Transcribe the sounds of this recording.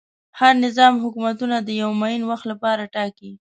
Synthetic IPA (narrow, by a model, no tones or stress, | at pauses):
haɾnɪzɑmɦʊkumat̪unad̪əjawmajinwaxt̪lapɑɾaʈɑki